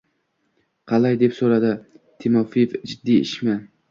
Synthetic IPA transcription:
qʰɑlajd̪e̞psoɾad̪ɪt̪ʰɪmɒfifd͡ʒɪd̪ːiɪ̰ʃmɪ

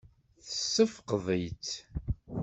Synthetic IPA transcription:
θəsːəfqðˤəjt͡s

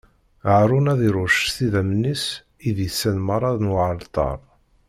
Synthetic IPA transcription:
ʕɾˤʊnæðiɾˤʊʃθiðæmnːis | iðjəsːænməɾˤɑðnwʕəlt̪ˤɑ̰ɾˤ

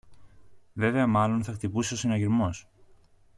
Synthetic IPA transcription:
ve̞ve̞ɐmɐlo̞nθɐkt̪ipuseo̞senɐʝiɾmo̞s

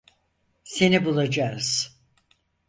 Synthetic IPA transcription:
senibulˠad͡ʒaz̥

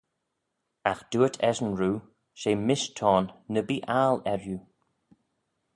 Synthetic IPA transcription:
axd̥uːətʰɛʒənɹuː | ʃeːmɪʃtʰɔːnːəbiːʔaːlɛɹju

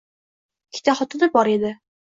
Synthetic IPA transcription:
kʲʰi̥t̪ʰaχɒt̪ɨnabɒɾed̪ɪ

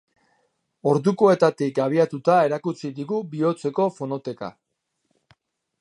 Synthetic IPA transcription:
o̞ɾðukoe̞t̪at̪ikaβ̞iat̪ut̪ae̞ɾakut͡sid̪iɣubio̞t͡se̞ko̞fo̞no̞t̪e̞ka̰

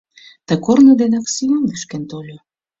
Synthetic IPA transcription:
t̪ə̆kornə̆d̪enɑksionvyʃkent̪olʲo

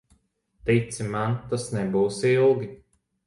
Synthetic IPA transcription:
t̪it̪simant̪asnɛbuwsilˠɡʲi

